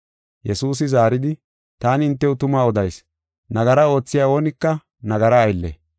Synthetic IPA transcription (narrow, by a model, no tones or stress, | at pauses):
jɛsuːs̬ɪzaːɾɪd̪ɪ | t̪aːnɪɪnt̪ːɛwʊt̪ʊmaːɔd̪ɐjs | nɐɡɐɾɐo̞ːt͡sːɪjaːo̞ːnɪkːɐ | nɐɡɐɾɐːjlːɛ̰